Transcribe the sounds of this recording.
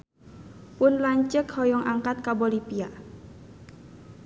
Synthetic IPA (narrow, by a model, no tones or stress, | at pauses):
pʊnlaɲt͡ʃəkhɔjɔŋʔaŋkat̪̚kabolipia